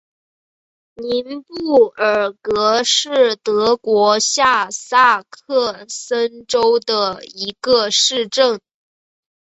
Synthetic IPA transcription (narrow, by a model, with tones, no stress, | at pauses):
ni˧˥npu˥˩ə˞˨˩kɤ˧˥ʂɻ̩˥˩t̪ɤ˧˥kwɔ˧˥ɕja˥˧sa˥˧kʰɤ˥˩sə˥nʈ͡ʂo˥ʊd̪ə˨˩i˧˥ɡ̥ə˧ʂɻ̩˥˧ʈ͡ʂɤ˥˩ŋ